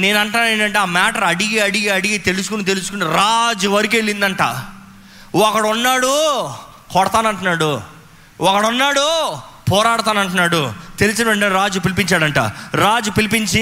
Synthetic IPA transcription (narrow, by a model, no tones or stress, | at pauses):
ne̞ːnɐɳʈaːneːnd̪ɐɳʈeaːmaːʈɐɾɐɽiɡiɐɽiɡiɐɽiɡit̪e̞lusukunit̪elusukuniɾaːd͡ʒuʋɐɾikeɭːind̪ɐɳʈa̰ː | ɔkːɐɽunːaːɽu | kɔɽɐt̪aːnɐɳʈunːaːɽu | ɔkːɐɽunːaːɽu | pɔːɾaːɽɐt̪aːnɐɳʈunːaːɽut̪elisɐnʋɐɳʈeɾaːd͡ʒupilipiɲt͡ʃaːɽɐɳʈa̰ːɾaːd͡ʒupilipiɲt͡ʃi